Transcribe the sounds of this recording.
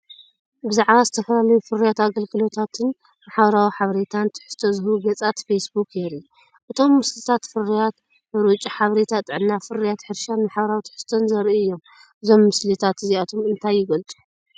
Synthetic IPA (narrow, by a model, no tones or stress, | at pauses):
bɨzaʕβazɨt̪ʰɐfɐlalɐjufɨrijat̪aɡɐlɡɨlo̞t̪ʰat̪ʰɨn | maħaβɾawiħaβɐɾet̪ʰant̪ʰɨ̥ħɨ̥st̪ʰozɨhuɡɐt͡sʼat̪fesbukjeɾi | ʔɨt̪ʰo̞mːɨslɨt̪ʰat̪fɨrːijat̪ | ɨɾut͡ʃʼiħaβɾet̪ʰat̪ʼɨʕɨnːafɨrijat̪ħɨɾʃanmaħaβɐɾawit̪ʰɨ̥ħɨ̥st̪ʰonzɐɾʔiɨjːo̞m | ʔɨzo̞mːɨslit̪ʰat̪ɨziat̪ʰomɨnt̪ʰajːɪɡɐlt͡sʼu̥